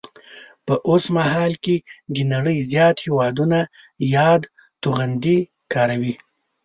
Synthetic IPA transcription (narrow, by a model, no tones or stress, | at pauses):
pəʔosmaɦɑlked̪ənaɽəjzjɑt̪hewɑd̪una | jɑd̪ | t̪uɣand̪i | kɑɾawi